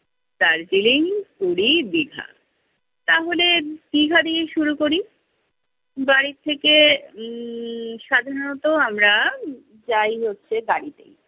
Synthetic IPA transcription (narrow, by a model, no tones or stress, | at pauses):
t̪aɾd͡ʑiliŋkuɽid̪iɡʱa̰ | t̪aɦoled̪̥iɡʱad̪ijeʃuɾukoɾi | baɾit̪ʰːeke | ʃad̪ʱaɾonot̪oamɾa | d͡ʑajɦotːɕʰeɡaɽit̪ḛj